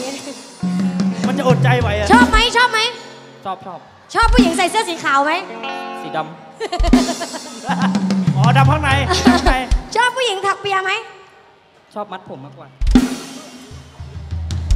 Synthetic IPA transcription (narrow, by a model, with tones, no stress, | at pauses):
ma˧nt͡ɕa˨ʔo˨˩t̪̚t͡ɕa˧jwa˨˩jt͡ɕʰɔː˥˩p̚ma˦˥jt͡ɕʰɔː˥˩p̚ma˦˥j | t͡ɕʰɔː˥˩p̚t͡ɕʰɔː˥˩p̚ | t͡ɕʰɔː˥˩pʰːuː˧˩ji˩˦ŋsa˨˩˦jsɯ˧˩əsiː˩˦kʰaː˨˩˦wma˦˥jsiː˨˩˦da˧m | ɔː˨˦˧da˧m̚kʰa˥˩ŋna˨˦jjt͡ɕʰɔː˥˩pʰːuː˧˥˩ji˩˦ŋt̪ʰa˨˩k̚pi˧ɐma˦˥j | t͡ɕʰɔː˥˩p̚ma˦˥t̪̚pʰo˩˦mːaː˧˥˩kwaː˧˩˧